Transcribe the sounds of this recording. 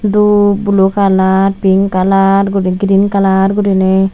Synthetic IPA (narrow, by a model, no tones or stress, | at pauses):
d̪ubulokalaɾpiŋkalaɾɡudiɡiɾinkalaɾɡuɾine